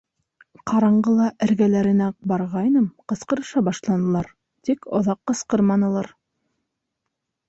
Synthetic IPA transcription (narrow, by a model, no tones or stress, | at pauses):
qɑɾɑɴɢɤlˠɑʔɘ̆ɾɡælæɾɘ̆næbɑɾʁɑjnɤmqɤ̆sqɤ̆ɾɤ̆ʃɑbɑʃlˠɑnɤ̆lˠɑɾ | t̪ikŏ̰ðɑqːɤ̆sqɤɾmɑnɤ̆lˠɑɾ